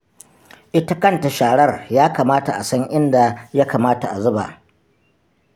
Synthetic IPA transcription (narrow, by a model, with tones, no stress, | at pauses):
ʔɪ˦ta˦kɐ˦nta˨ʃaː˨ɽɐ˦rjaː˦kaː˨maː˦ta˨ʔa˨sɐ˦ŋʔɪ˦nda˨ja˦kaː˨maː˦ta˨ʔa˨zʊ˦ba̰˨ʔ